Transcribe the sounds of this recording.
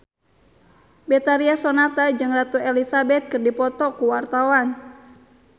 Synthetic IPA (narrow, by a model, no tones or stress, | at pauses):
bɛt̪aɾiasɔnat̪ad͡ʒɨŋrat̪uɛlisabɛt̪̚kɨrdipɔt̪ɔkuwart̪awan